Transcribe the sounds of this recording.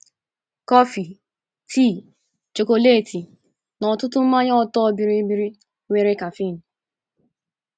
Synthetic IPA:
kɔ˦fi˨ | tʰi˦˨ | t͡ʃo˨ko˨le˦˨ti˨ | nɔ˨tʊ˦tʊ˦m̩˦ma˦ɲɔ˦˨tɔ˦˨˦bi˨ɾi˦bi˦ɾi˦ | ŋʷe˦ɾe˦ka˨fi˦˨n̩˨

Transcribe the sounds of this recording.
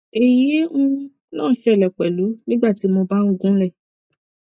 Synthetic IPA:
e˨je˨˦ũ˦ | lã̰ː˦˨˦ʃɛ˦˨lɛ˨k͡pɛ˨lu˨˦nĩ˦ɡ͡ba˦˨ti˨˦mo˧ba˦nũ˦ɡũ˦lɛ˦˨

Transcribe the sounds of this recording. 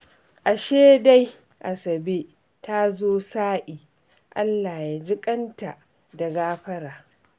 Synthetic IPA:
ʔa˨ʃeː˦da˦j | ʔa˨sɐ˨be˦ | ta˦zoː˦saː˦ʔiː˨ | ʔa̰˦lːaː˨jaː˦d͡ʒɪ˦kʼɐ˦nta˨ʔ | da˨ɡaː˦ɸɐ˦ɽaː˨

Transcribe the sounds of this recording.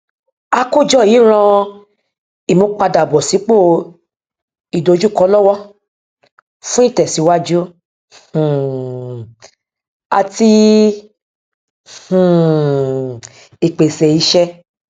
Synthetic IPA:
a˧ko˦˨d͡ʒɔ˦˨ji˨˦ɾ̃ã˧ | i˨mõ˧k͡pa˧da˨bɔ˨si˨˦k͡po˦˨ | i˨do˨˧˦d͡ʒu˦˨kɔ˧˦lɔ˦wɔ˦ | fũ˦i˦˨tɛ˨si˨˧˦wa˦d͡ʒũ˦˨ | a̰˧ti˧˨ | i˨k͡pe˨sɛ˨i˨˧˦ʃɛ˧

